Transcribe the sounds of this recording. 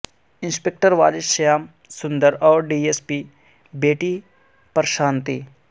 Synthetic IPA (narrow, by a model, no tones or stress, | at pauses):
ɪ̃nspek̚ʈəɾʋaːliʃɐjaːm | sʊ̃nd̪əɾɔːɾɖiːespi | beːʈi | pəɾʃaːnt̪i